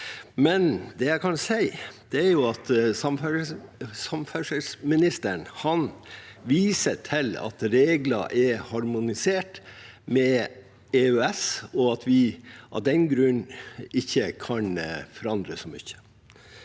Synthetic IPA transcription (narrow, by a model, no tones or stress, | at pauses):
mɛnd̪ɛjæɪkʰɑnsæɪd̪̥ɛæɾjʊɑt̪sɑmf | sɑmfœʂəlsmɪnɪst̪əɳhɑnʋiːsəʈʰɪlɑ̰t̪ɾeːɡlɑ̰ʔɛhɑɾmʊnɪseːʈ | mɛ | eøɛsɔɑt̪ʰʋɪʔɑ̰d̪ɛnɡɾʉnɪçːəkʰɑnfɔɾɑnd̪ɾəsɔmʏ̰çːə̥